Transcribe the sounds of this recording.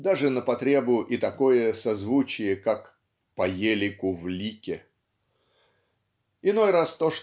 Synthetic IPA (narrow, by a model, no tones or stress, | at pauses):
d̪aʐɨnəpɐt̪ɾʲe̞bʊʔɪt̪ɐko̞jəsɐzvut͡ɕɪjəkak | pɐjelʲɪkʊvlʲikʲɪ | ɪno̞jrast̪o̞ʂ